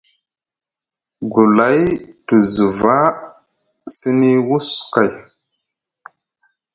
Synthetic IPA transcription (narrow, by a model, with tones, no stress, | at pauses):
ɡu˨la˨˦jtu˨zu˨va˦ | si˦ni˦wu˦ska˨j